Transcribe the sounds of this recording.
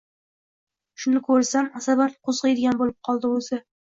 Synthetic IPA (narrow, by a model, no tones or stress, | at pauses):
ʃʊnɪkʰɵɾsamasabat̪qʰozʁɨjd̪ɪɡʲanbolˠɪp̚qʰɒlˠd̪ɪosɪ